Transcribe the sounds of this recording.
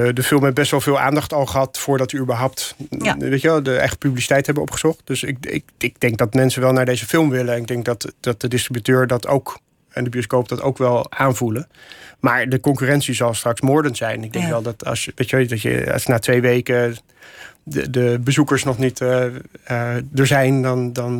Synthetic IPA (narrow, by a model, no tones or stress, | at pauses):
dəfɪlˠmɦɛb̚bɛstʋɛlˠvɪːlˠa̰ːndɑχtɑlˠχəɦɑtfʊːɹdɑtəybəɹɦʌwp̚tʋejtəʋɛlˠdəɛ̰χtə̥pyblisi̥tɛjtɦɛbənɔ̰pχə̥zɔχt̚d̥øsɪkɪ̰kɪk̚d̥ɛŋk̚dɑtmɛnsənʋɛlˠnaːɹdejzəfɪlˠmʋɪlənnɪɡ̚dɛŋk̚dɑtɑt̚d̥ədɪstribytøːɹdɑtʰo̰wk | ɛndəbioskowp̚d̥ɑto̰wkʋɛlˠaːnvuləmaːɹdəkɔŋkyːrɛntsizɑlˠstrɑksmʊːɹdənz̥ɛjnɪɡ̚dɛŋkʋɛlˠdɑtɑ̰sʋejtɛdɑtjə̰snaːtʋejʋejkə | dəbəzukəɹsnɔχnit | dəɹzɛjndɑndɑn